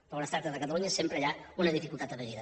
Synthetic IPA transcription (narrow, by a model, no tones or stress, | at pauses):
ɾɔnəst̪aɾt̪əzðəkət̪əluɲəsempɾəʎaunəðifikulˠt̪at̪əβəniðə